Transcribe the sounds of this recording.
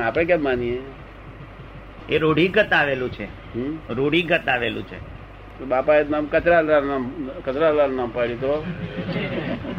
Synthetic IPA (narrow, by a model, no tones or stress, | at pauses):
apɽẽk̬ɛmːanie | eɾoɽiɡət̪aʋelũt͡ʃʰe | ɦɾoɽiɡət̪aʋelṵ̃t͡ʃʰḛ | t̪oɓapaenamkət͡ʃɾalaɾnakət͡ʃɾalaɾnampaɽit̪o